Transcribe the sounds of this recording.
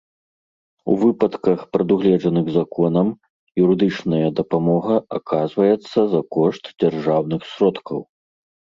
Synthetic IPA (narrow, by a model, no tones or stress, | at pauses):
ṵvɨpɐt̪kɐxpɾɐd̪uɣlʲɛʐɐnɨɣzakɔnɐm | juɾɨd̪ɨt͡ʂnɐjɐd̪ɐpamɔɣɐakʰazvɐjɛt̪sːɐzɐkɔʂt̪d͡zʲarʐawnɨxsɾɔt̪kʰɐw